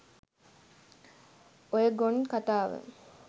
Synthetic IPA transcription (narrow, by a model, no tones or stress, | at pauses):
ojəɡonkat̪aːʋə̰